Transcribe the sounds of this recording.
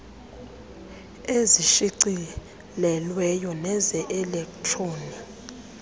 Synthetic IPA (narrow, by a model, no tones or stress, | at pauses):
eziʃiǀi | lɛlwɛjɔnɛzɛʔɛlɛktʼʰroːni